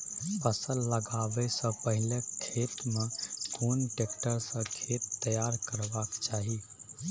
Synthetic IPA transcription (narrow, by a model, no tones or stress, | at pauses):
pʰəsəlːəɡabɛsə̃pəɦɪlekʰeːt̪mẽkoːnʈek̚ʈəɾsə̃kʰet̪ːəjaɾkəɾbakt͡ʃaːɦi